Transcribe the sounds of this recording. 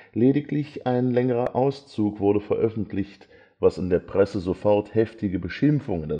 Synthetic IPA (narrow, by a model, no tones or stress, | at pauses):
leːɾɪklɪçʔaɪnlɛŋəʁɐʔaʊst͡suːkv̥ʊɐɾəfɛɐʔœfn̩tʰlɪçt | vasɪndeːɐpʁ̥ɛsəzofɔʁthɛftɪɡəbəʃɪmfʊŋənda